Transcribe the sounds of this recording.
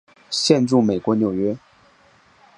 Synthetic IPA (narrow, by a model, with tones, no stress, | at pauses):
ɕjɛ˥˧nʈ͡ʂu˥˩me˨˩ɪkwɔ˧˥njo˨˩ʊɥɛ˧˥